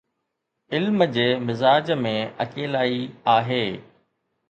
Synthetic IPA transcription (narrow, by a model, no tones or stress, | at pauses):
ɪlməd͡ʑeːmɪzaːd͡ʑmẽɐ̰keːlaːiaːɦeː